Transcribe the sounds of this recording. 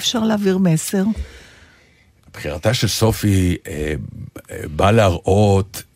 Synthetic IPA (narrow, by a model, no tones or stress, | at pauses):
fʃaʁleːviʁmese̞ʁ | ab̥χiʁat̪aʃelso̞fie | baleaʁʔot